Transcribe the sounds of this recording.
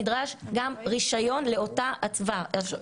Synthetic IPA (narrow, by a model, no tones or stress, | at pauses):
dʁaʃɡamʁiʃajo̞nle̞o̞taat͡sva